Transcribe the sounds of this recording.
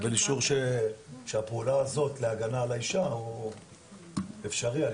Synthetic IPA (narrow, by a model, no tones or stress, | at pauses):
beliʃuʁʃeʃeapeulaːzo̞tleaɡanalaiʃahu | efʃaʁia